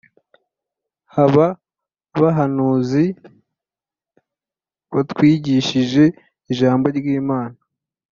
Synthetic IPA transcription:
haβa | βaɦanuːzi | βatwiːɟiʃiʒe̞ | iʒaːmbo̞ɾɡiːmaːna

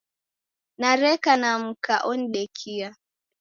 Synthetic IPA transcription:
naɾɛkanam̩kaʔɔn̩ɗɛkʰia

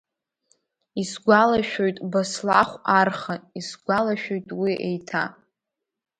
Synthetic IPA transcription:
isɡʷalaʃᶣojtʼbaslaχʷarχaisɡʷalaʃᶣojtʼwiʔḛjtʰa

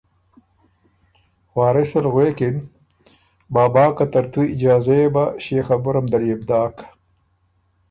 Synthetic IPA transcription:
waːɾɪsɐɾɣweːkɪn | baːbɑːkat̪ɐɾt̪uɪd͡ʒɑːzajebaɕeːxabʊɾɐmd̪ɐɾjebd̪ɑːk

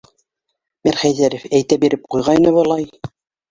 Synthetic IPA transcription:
miɾχæjðæɾɘfæjt̪æbiɾɘp̚qujʁɑinɤβɑlˠɑj

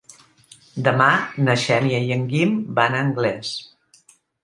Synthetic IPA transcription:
d̪əmanəʃɛnjəjəŋɡimbanəŋɡlɛs

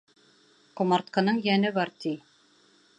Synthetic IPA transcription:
qŏmɑɾt̪̚qɤ̆nɤɴjænɘβɑɾt̪i

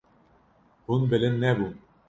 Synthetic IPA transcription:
hunbɘ̆lɘ̆nːɛbun

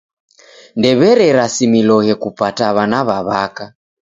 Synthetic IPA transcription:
ndɛβɛɾɛɾasimilɔɣɛkupataβanaβaβaka

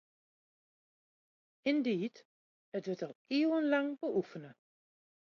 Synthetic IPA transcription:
ɪndiːt | ətʋətɔlˠiəwənlaŋbəʔufənə

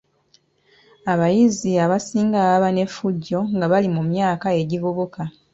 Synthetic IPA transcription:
aβajiziaβasiːŋɡaβaβane̞fuɟːo̞ŋɡaβalimumjaːkae̞ɟivoβoka

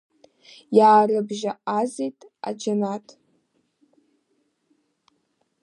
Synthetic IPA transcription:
jaːrɨbʒaazijtʼa̰d͡ʒanatʼ

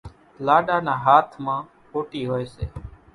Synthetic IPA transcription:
laːɗaːnãːɦaːt̪ʰmãː | poːʈiːɦoːeːsḛː

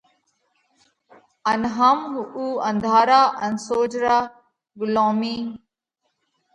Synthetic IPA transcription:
ɐnɦɐmɦuːɐ̃nd̪ʱaːɾaːʔɐnsoːd͡ʒɾaː | ɡʊlõːmiː

